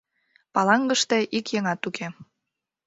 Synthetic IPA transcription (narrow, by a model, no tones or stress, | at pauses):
pɑlɑŋɡəʃt̪eʔikjeŋɑt̪ukʰe